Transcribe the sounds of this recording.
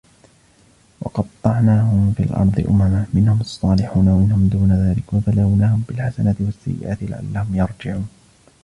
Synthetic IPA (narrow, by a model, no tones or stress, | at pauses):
wɑ̰qɑt̪ˤːɑʕnaːhʊmfḭːlʔɑ̰ɾˤd̪ˤɨ̰ʔʊ̰mamamɪnhʊmɑsˤːɑːlɪħuːnawamɪnhʊmd̪uːnaðaːlɪkwabalawnaːhʊmbɪlħasanat̪ɪwasːa̰jːɪ̰ʔaːt̪ɪla̰ʕa̰lːahʊmjɑɾˤd͡ʒɪʕuːn